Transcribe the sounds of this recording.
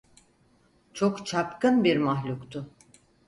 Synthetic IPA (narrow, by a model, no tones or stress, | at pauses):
t͡ʃʰo̞kt͡ʃʰapkɯnbiɾmaɦlʲukt̪ʰʊ